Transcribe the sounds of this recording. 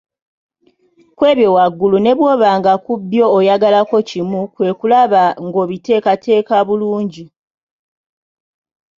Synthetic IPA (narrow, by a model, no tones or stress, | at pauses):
kwe̞ːβjo̞waɡːulune̞βwo̞ːβaːŋɡakubjo̞ːjaɡalako̞cimukwe̞ːkulaβaŋɡo̞ːβite̞ːkatʰe̞ːkaβuluːɲɟi